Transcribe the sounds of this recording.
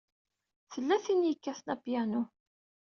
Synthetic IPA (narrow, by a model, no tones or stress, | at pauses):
θəlːæθinjəkːæθnæpjænu